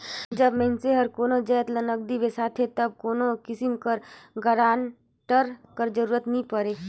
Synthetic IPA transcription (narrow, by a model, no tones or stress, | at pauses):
d͡ʒəbmɛɪnseɦɐɾkoːnod͡ʒɛːt̪lənəɡ̚d̪iʋesaːt̪ʰet̪ɐb̚koːnokɪsɪmkəɾɡʱəɾaːn | ʈəɾkəɾd͡ʒəɾuːɾət̪nĩpəɾeː